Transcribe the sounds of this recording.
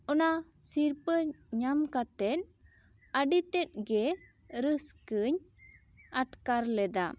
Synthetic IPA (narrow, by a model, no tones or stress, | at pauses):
ɔnasiɾpəɲamkat̪ɛt̪̚ | aɖit̪ɛt̪̚ˀɡɛ | ɾəskəɲ | aʈkaɾlɛd̪a̰